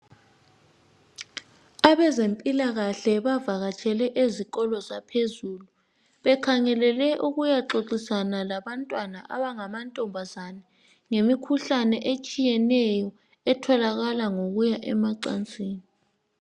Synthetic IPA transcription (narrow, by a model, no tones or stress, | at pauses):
aβɛzempʼilaɣaɬɛβavaɣat͡ʃʰʼɛlɛʔezik̬ɔlɔzapʰezuːlu | ɓɛkʰaŋɛlɛlɛʔuɣujaǁoǀisanalaβantʼwanaʔa̰βaŋamantʼɔmbʱazanɛ | ŋemikʰuɬanɛʔet͡ʃʼijɛnɛjɔ | ɛtʰɔlaɣalaŋoɣujaʔɛmaǀa̰nt͡sʼiːni